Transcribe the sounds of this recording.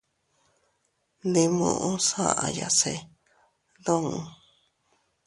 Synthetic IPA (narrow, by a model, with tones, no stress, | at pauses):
nĩ˧mṵ̃˧˨ʔũ˦sã̰˦ʔã˨ja˨se˧˨ | ðõ˦ŋũ˧